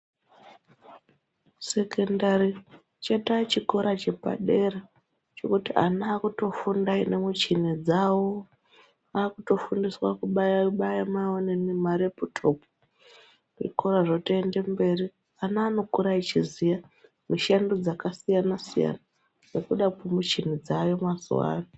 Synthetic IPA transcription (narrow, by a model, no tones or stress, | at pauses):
se̞kendari | t͡ʃatat͡ʃiko̞ɾat͡ʃe̞pa̰ɗe̞ra | t͡ʃo̞̰kutia̰naːkuto̞fundainemut͡ʃined͡zawo | aːkuto̞fundiswakuɓaaɓajamawonenemaɾeputʰo̞po | rḭkoɾaʐotoende̞mbe̞ri | anaːno̞kuɾait͡ʃizija | miʃandod͡zakasijanasija̰na | nekuɗakumut͡ʃinid͡zajomwazṵwa̰ːna